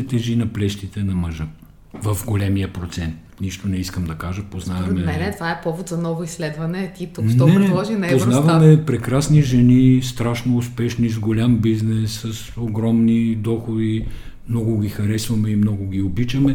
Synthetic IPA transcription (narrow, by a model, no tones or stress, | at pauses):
ɛt̪ɛʒinɐplɛʃt̪it̪ɛnɐmɐʒə | vɐfɡolʲɛmijəpɾot̪sɛnt̪niʃt̪onɛiskəmd̪ɐkaʒəpoznavɐmɛɛnɛt̪vaɛpɔvʊt̪zɐnɔvʊislɛd̪vɐnɛt̪it̪unɔɛnɛɔʒinɐpɛoznavɐmɛpɾɛkɾasniʒɛnist̪ɾaʃnoʊspɛʃnizɡolʲambiznɛsːəsoɡɾɔmnid̪ɔxod̪i | mnɔɡʊɡʲixɐɾɛsvɐmɛimnɔɡʊɡ̟ʲiobit͡ʃɐmɛ